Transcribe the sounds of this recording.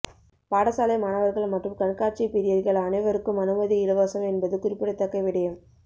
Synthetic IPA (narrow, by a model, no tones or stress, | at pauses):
paːɽɐsaːlɐɪmɐnɐʋɐɾɣɐɭmɐʈrɯmkɐɳkaːt͡ʃipɪɾɪjɐɾɣɐɭɐnɐɪʋɐɾɯkːɯmɐnɯmɐðiɪlɯʋaːsɐmɛnbɐðɯkʊɾɪpːɪɽɐɪt̪ːɐkːɐɪʋɪɽɐjɐm